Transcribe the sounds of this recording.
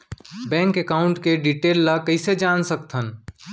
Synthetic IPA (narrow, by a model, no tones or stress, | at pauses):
bɛ̃ŋkekaːʊ̃ɳʈkeɖiʈeːlːakəɪsed͡ʒaːnsək̚t̪ʰən